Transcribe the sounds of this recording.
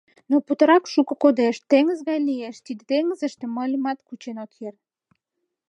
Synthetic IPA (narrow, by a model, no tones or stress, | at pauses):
noput̪ə̆ɾɑkʃukɤ̆kod̪eʃt̪eŋəzɣɑjlijeʃt̪id̪ĕt̪eŋəzə̆ʃt̪ĕməlʲimɑt̪kut͡ɕenot̪jer